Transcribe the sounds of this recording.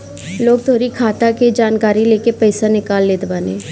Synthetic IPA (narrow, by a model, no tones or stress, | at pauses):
loːɡ̚t̪ʰoːɾikʰaːt̪aked͡ʒaːnkaːɾileːkepɛɪsanɪkaːlːeːd̪baːneː